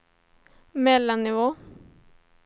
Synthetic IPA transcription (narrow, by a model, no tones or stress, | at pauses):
mɛlːanːɪvoː